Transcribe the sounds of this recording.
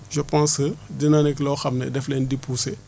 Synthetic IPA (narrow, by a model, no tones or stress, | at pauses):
ʒəpãnsədinaniklɔxɐmnɛdɛflɛːndipuse